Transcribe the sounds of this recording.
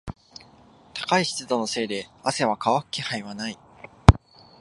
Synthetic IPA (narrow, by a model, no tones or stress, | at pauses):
t̪ḁkaiçi̥t͡sɨd̪o̞no̞se̞ːd̪e̞ase̞β̞akaβakɯ̥kehaĩβanai